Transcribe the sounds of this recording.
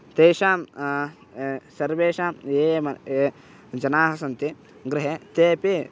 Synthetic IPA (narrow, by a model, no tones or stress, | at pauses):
t̪ejʃaːm | sɐɾʋeːʃaːmeːmɐe | d͡ʒɐnaːɦɐsɐnt̪i | ɡɾɪɦet̪eːpi